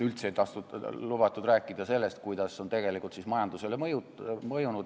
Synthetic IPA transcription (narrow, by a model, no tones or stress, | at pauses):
ylt̪sejt̪ɑht̪ulubɑt̪ːˑud̪ɾæːkːˑid̪̥ɑse̞lːe̞st̪kujd̪̥ɑso̞nt̪e̞ɡe̞likˑult̪sismɑjɑnd̪use̞lemju | mɤjunud̪̥